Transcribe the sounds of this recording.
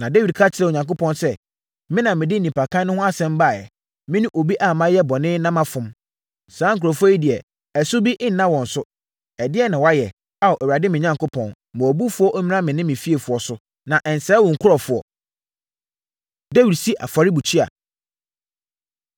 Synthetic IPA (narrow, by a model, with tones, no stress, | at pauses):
nã˨de˦wi˨d̚kʰa˦t͡ɕʰɪ˨ɾɛ˦˨o˨ɲã˨ŋkʊ˦pʰɔ̃˦nsɛ˦ | mɪ̃˦nã˨mɪ̃˨dɪ˦nĩ˨pʰa˨kʰã˦n˦nʊ̃˦hʊ̃˦a˦sɛ̃˦m˦ba˦˨jɛ̰˨ | mɪ̃˦nũ˦ʔo˨bi˦ʔa˨mã˦jɛ˦bɔ˨nɪ̃˦nã˦mã˦fʊ̃˨m | sãː˨˦ŋ̩˨kʰʊ˨ɾɔ˨fɔ˦i˦dɪ˨ɛ˨ | ɛ˨sʊ˦bi˦ʔɪ˦n̩˨nã˦wɔ̃˨n̩˨sʊ˦ | ɛ˨dɪ˦ɛ˦nã˨wa˦jɛ˨ | a˦˨ɔ˨ʔæ˨wu˨a˨dɪ˦mɪ̃˨ɲã˨˦ŋkʰʊ˦pʰɔ̰̃˨n | mʊ̃˨ɔ˨bu˦fʊ˦ɔ˦ʔmĩ˦n˦ã˦mɪ̃˨nɪ̃˦mɪ̃˨fi˦e˨fʊ˨ɔ˨sʊ˦ | nã˨ʔɛ˨n˨sɛ˨˦wɔ̃˨ŋ̩˨kʰʊ˦ɾɔ˨fʊ˨ɔ̰˨ | de˦wi˨dsi˦ʔa̰˨fa˨ɾi˦bu˨t͡ɕʰi˦a̰˨